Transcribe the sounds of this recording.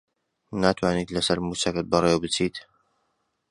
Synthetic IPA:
naːt̪ʰwaːniːt̪lɐsɐɾmusɐkɨt̪̚bɐrˤewbɨt͡siːt̪

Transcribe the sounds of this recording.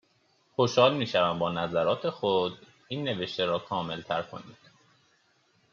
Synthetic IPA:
xo̞ʃhɒːlmiːʃævæmbɒːnæzæɾɒːt̪ʰe̞xod̪ | iːnːe̞ve̞ʃt̪eɾɒːkʰɒːme̞lt̪ʰæɾkʰo̞̰nḭːd̪̥

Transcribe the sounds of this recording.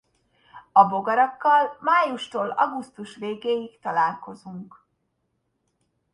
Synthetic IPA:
ɒbo̞ɡɒɾɒkːɒlmaːjuʃt̪oːlɒ̰ɡust̪uʃʋeːɡeːjikt̪ɒlaːlko̞zuŋk

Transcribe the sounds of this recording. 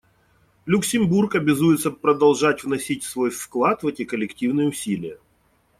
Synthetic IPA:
lʲʊksʲɪmburkɐbʲɪzujɪt̪səpɾəd̪ɐlˠʐatʲvnɐsʲitʲsvo̞jfklˠat̪vɛtʲɪkəlʲɪktʲivnɨjəʊsʲilʲɪjə

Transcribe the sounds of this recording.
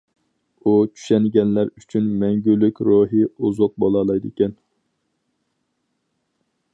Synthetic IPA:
ut͡ʃʰy̥ʃɛnɡʲɛnlæɾyt͡ʃʰynmɛŋɡʲylːykʲɾoɦiuzʊq̚bolˠɑlˠɑjd̪ɨkʲʰɛn

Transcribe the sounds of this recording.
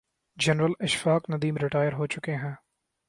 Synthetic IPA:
d͡ʒɛnɾəlɪʃfaːknɐd̪iːmɾɪʈaːjəɾɦot͡ʃʊkeɦɛ̃ː

